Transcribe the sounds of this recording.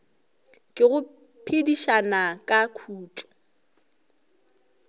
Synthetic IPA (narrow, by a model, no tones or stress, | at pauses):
kʼɪɣʊ | pʰediʃanakʼakʰuːtʼɔ̥